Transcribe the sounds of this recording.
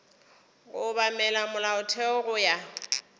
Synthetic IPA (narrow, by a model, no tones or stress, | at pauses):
ɣʊbamɛlamʊlaʊtʰɛʊɣʊja